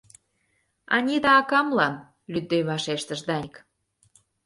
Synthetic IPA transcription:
ɑ̰nʲid̪ɑːkɑmlɑn | lyd̪ːøjβɑʃeʃt̪əʃd̪ɑnʲk

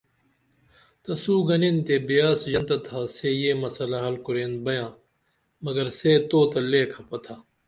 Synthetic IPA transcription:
t̪ɐsuːɡɐnint̪eːbijaːsd͡ʒɐnt̪ɐt̪ʰaːsejeːmɐsɐlaɦɐlkʊɾeːnbɐjãː | mɐɡɐɾseːt̪oːt̪ɐleːkʰɐpɐt̪ʰaː

